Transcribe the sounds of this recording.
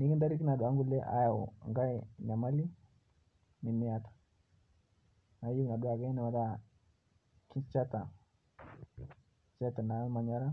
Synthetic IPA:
ni˦ki˦nda˦ɾi˦ki˦na˨ɗɔ˨a˦ŋɡu˦lɛ˦ʔa̰˦ja˨ṵ˨ŋɡa˦ɛɲa˨ma˦li˦ | ni˨mi˦atḁ˨ | na˨i˦jɔ˦ki˨na˨ɗɔa˨ɡa˦i˦na˨a˨da | ki˦t͡ʃa˦ta˨ | t͡ʃa˦ta˨na˨˦ma˨ɲa˦ɾa˦

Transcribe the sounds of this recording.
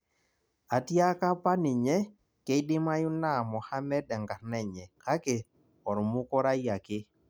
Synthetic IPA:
a˨tja˦ka˦pa˦nɪ˨ɲɛ˦ | ke˦dɪ˦ma˦jʊ˦na˦˨mɔ˨ha˦mɛ˦dɛ˨ŋɡa˨ɾnɛ˨ɲɛ˨ka˦ke˨ | ɔ˨ɾmu˦kɔ˦ɾa˦ja˨kɪ˦

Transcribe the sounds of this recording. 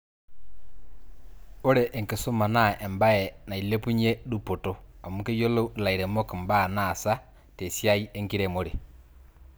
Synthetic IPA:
o˦ɾɛ˨ʔːŋke˨su˦ma˨na˦˨ɛ˨mba˦jɛ˨na˨i˨le˦pu˦ɲɛ˦du˦po˨to˦ɔ˨mu˦ke˦jo˦lo˦la˨i˨ɾɛ˨mo˦ki˨mba˦˨na˦˨sa˦ | tɛ˨sja˦i˦e˦ŋki˦ɾɛ˨mo˦ɾe˨

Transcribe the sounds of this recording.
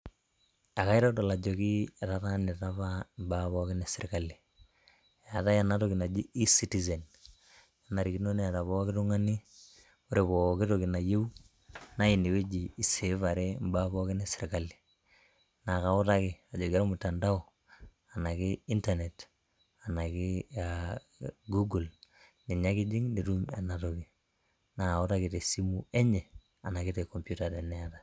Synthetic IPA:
a˨ka˦i˦ɾɔ˦tɔ˨la˨d͡ʒo˨ki˦a˨ta˦ta˦ne˨ta˦βa˦mba˦βɔ˦kɪ˦ne˨sɪɾka˨li˨ | a˨ta˦ja˨na˨˦to˦kɪ˨na˨d͡ʒi˦i˦si˦ti˨zɛ˨n | ja˨na˨ɾi˨ki˦no˦ne˦a˨ta˨βɔ˦kɪ˦tu˦ŋa˦ni˦ | o˦ɾe˨βɔ˨kɪ˦to˨kɪ˨na˨je˦u˦ | na˦i˨ni˨we˦d͡ʒiː˨se˨va˨ɾe˦mba˦βɔ˦kɪ˦ne˦sɪ˨ɾka˨li̥˨ | na˨ka˨ʊ˦ta˦kɪ˨a˨d͡ʒo˨ɡa˦ɾmu˨tːa˨nda˦ɔ˨ | a˨na˨ki˦i˦ntane˨t | a˨na˨ki˦a˨ | ɡu˦ɡu˨l | ni˨ɲa˦ki˦d͡ʒi˦ŋni˨ɾu˦ma̰˨na˨to˨ki˨ | na˨ka˨u˦ta˦ki˨te˨si˦mu˦e˦ɲɛ˨ | a˨na˨ki˦te˨kɔ˨mpju˦ta˨ɾe˨nɛ˦a˨ta˨

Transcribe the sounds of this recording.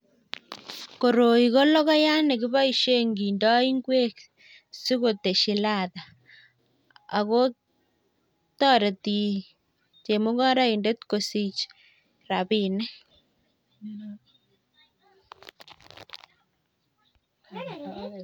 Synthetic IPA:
ko˨ɾo˨i˨ɣo˦lɔ˦ɣɔ˦ja˦ne˨ki˦βa˦i˨ʃe˦ŋɡi˨ndɔ˦i˦ŋɡwe˦k | si˦ɣo˨t̪e˨ʃi˨la˨ða˨ | ɣo˦ | t̪ɔ˦ɾe˨t̪i˨ | t͡ʃe˨mo˦ɣa˦ɾa˦i˨nde˦t̪ko˨si˨t͡ʃ | ɾa˨βi˦nɛ˦

